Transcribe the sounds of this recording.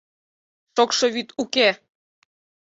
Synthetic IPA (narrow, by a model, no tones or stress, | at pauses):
ʃokʃɤ̆βyt̪uke